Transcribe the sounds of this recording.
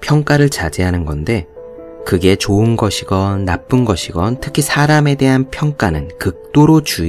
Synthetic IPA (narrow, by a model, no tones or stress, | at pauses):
pʰjʌŋk͈aɾɯɭt͡ɕad͡ʑeɦanɯnɡʌnde̞ | kɯɡe̞t͡ɕoɯnɡʌɕʰiɡʌnːap͈ɯnɡʌɕʰiɡʌntʰɯ̥kʰisʰaɾame̞de̞ɦanpʰjʌŋk͈anɯnkɯk̚t͈oɾot͡ɕu